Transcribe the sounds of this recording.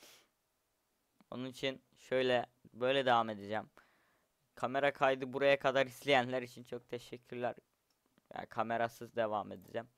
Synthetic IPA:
o̞̰nunit͡ʃʰin | ʃø̞jlʲɛbø̞jlʲɛd̪evame̞d̪id͡ʒæm | kʰame̞ɾakʰajd̪ɯbuɾajakʰad̪aɾislʲejænlʲæɾit͡ʃʰint͡ʃʰok̚t̪ʰeʃɛcʰːyɾlʲæɾ | ja̰kʰame̞ɾasɯzd̪e̞vame̞d̪id͡ʒæm

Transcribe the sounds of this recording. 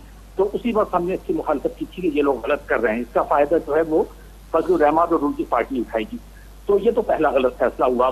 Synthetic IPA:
t̪oːʔʊsibɐɾsɦɐmneɪskimʊxaːlɪfət̪̚kit̪ʰikejeloːɡɣɐlət̪kɐɾːeɦɛ̃ɪskafaːɪd̪ad͡ʒoːɦɛʋoː | fɐzluɾɛːmaːd̪ɔːɾuːlt̪ipaːɾʈiʊʈʰaːiɡiː | t̪oːjet̪opɛɦlaɣɐlət̪fɛːslaɦua

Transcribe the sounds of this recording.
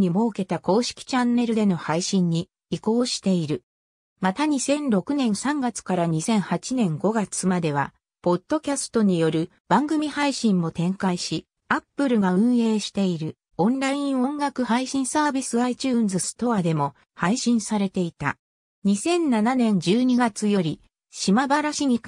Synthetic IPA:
ɲ̟imo̞ːke̞t̪ako̞ːɕi̥kʲi̥t͡ɕãnːe̞ɾɯ̟d̪e̞no̞haiɕĩɲ̟ːiː | ko̞ːɕi̥t̪e̞iɾɯ̟ | mat̪aɲ̟isẽ̞nɾo̞kɯ̟nẽ̞ɰ̃sãŋɡat͡sɨ̥kaɾaɲ̟isẽ̞ɰ̃hat͡ɕinẽ̞ŋɡo̞ɡat͡sɨmad̪e̞β̞a̰ | po̞d̪̥ːo̞kʲasɨ̥t̪o̞ɲ̟ijo̞ɾɯ̟ | b̥ãŋɡɯ̟mʲihaiɕĩmːo̞t̪ẽ̞ŋkaiɕi | apːɯ̟ɾɯ̟ɡaɯ̟̃ɰ̃e̞ːɕi̥t̪e̞iɾɯ̟ | õ̞nɾaĩɰ̃õ̞ŋɡakɯ̟haiɕĩɰ̃saːbʲisɨait͡ɕɨːnzɨsɨ̥t̪o̞ad̪e̞mo̞ | haiɕĩɰ̃saɾe̞t̪e̞it̪a̰ | ɲ̟isẽ̞nːananẽ̞ɲ̟d͡ʑɨːɲ̟iɡat͡sɨjo̞ɾʲi | ɕimabaɾaɕiɲ̟i

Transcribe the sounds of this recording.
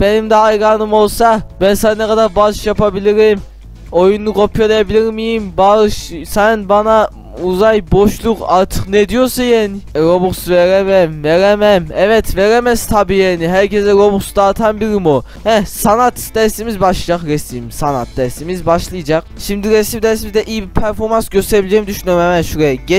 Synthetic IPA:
bɛnɪmd̪ɛːjʁɑnɨmolˠsɑbɛnsɑnɛqʰɑd̪ɑɾbɑʃjɑpɑbɪlɪɾɪm | ojunːɨqopʰjolˠjɑbɪlɪɾmijimbɑlˠʃsɑjnbɑnɑ | uzɑjboʃlˠʊqɑ̰ɾt̪ʰɨqnɛd̪ijoɾsɑjɛnɪɾobuqsuveɾɛmɛmveɾɛmɛmɛvɛt̪ʰveɾɛmɛst̪ʰɑbijɛːniɦæɾkʰɛzɛɾobuqsud̪ɑːt̪ʰɑnbiɾimo | hɛsɑnɑt̪d̪ɛst̪imizbɑʃlˠɯd͡ʒɑqɾɛsimsɑna̰t̪̚d̪ɛsimizbɑʃlˠɯjɯd͡ʒɑqʃimd̪iɾɛsimd̪ɛsmizd̪ɛʔijibiɾpʰɛɾfoɾmɑnsɡøst̪ʰɛɾibilʲid͡ʒɛjimd̪yʃynøɾmɛmɛʃuɾɛɟɛ

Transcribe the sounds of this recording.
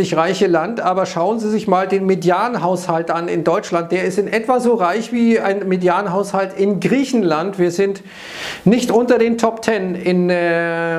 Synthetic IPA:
ɪçʁaɪçəlantʔaːbɐʃaʊənziːzɪçmaːldeːnmedjaːənɦaʊshaltʔanɪ̰ndɔʏt͡ʃlant̚d̥eːɐɪstɪnʔɛtv̥azoːʁaɪçv̥iːa̰ɪnmedjaːənɦaʊshaltɪnɡʁiːçn̩lantv̥iːɐzɪnt | nɪçtʔʊntɐdeːntʰɔptʰɛnɪnɛ

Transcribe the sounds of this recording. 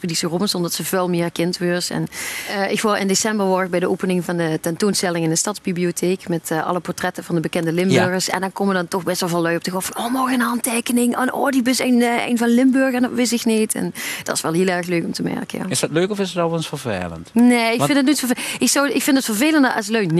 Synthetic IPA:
pədisəropənsɔndɑtsəvolˠmɪːkɪntʋøɹsɛ̰nʔɪkʋolɪ̰ndesɛmbərʋɔɹəxbɛjdəʔoːpənɪŋvɑndətɛntoːnstɛlɪŋɪndəstɑtdzbibliotʰeːkmɛtːʔɑ̰ləpɔɹtrɛtəvɑndəbəkɛndəlɪmbøɹɣəɹsɛ̰ndɑnkomədɑntɔxbɛstʋɛlˠvɑlˠːœɥɔp̚təɣɔffɑnoːmɔɹɣənɦɑnteːkənɪŋʔənoːdibəsenɛ̰jnvɑnlɪmbøɹɣəɛndɔtʋɪs̬ɪknitʰɛ̰nd̥ɑtɪsʋɛlˠɦɪːlˠɛɹxløːkɔmtəmɛ̰ɹkəja̰ɪsdɑtløɥkɔfɪsətɔlˠɑnsfəɹvḛːlə̰ntneːɪkfɪndət̬̚notfəʔɪksɔwɪkfɪndətfəɹveːləndəʔɑ̰sløɥkn

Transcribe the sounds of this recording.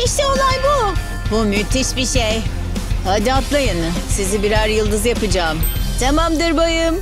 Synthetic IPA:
iʃt̪ɛolˠajbu | bumyt̪ʰiʃbiʃej | had̪at̪lˠajɯnɯ | sizibiɾaɾjɯlˠd̪ɯzjapɯd͡ʒaːmt̪ʰamamd̪ɯɾbajɯm

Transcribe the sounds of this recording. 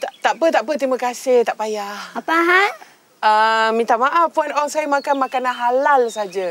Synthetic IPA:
t̪at̪aʔpət̪aʔpət̪ɾimakasɪht̪aʔpajahapaɦa | əmint̪amaʔafpuanɔŋsajəmakanmakananɦalalsad͡ʒa

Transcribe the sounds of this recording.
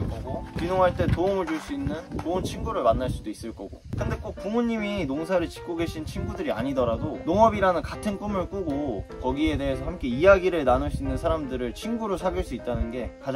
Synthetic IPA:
ɡokinoŋɦaɭt͈e̞toumɯɭt͡ɕuɭs͈uinːɯnt͡ɕount͡ɕʰinɡuɾɯɭmanːaɭs͈udois͈ɯɭk͈ʌɡo̰k͈ɯnde̞k͈ok̚k͈uŋmuɲːiminoŋsʰaɾɯɭt͡ɕi̥k͈ʰoɡe̞ɕʰint͡ɕʰinɡudɯɾia̰ɲidʌɾadonoŋʌbiɾanɯnkatʰɯnk͈umɯɭk͈uɡokʌɡie̞de̞ɦesʰʌhamk͈e̞ijaɡiɾɯɭnanos͈ʰinːɯnsʰaɾamdɯɾɯɭt͡ɕʰinɡuɾosʰaɡiɭs͈uit̚t͈anɯnɡe̞kad͡ʑ

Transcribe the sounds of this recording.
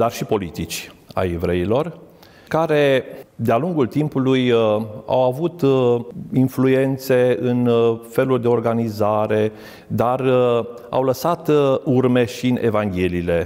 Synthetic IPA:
d̪arʃipo̞lit̪it͡ʃʲa̰jevɾe̞ilo̞r | kaɾe̞d̪ealuŋɡult̪impuluja̰wavut̪ | influe̞nt̪se̞ɨnfe̞lurʲd̪e̞o̞rɡanizaɾe̞ | d̪ar | a̰wləsat̪urme̞ʃiɨne̞̰vaŋɡʲe̞liːle̞

